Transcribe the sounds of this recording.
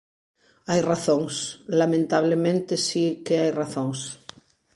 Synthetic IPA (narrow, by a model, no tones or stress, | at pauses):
ajraθõŋslamẽnt̪aβ̞lemẽnt̪esikeajraθõŋs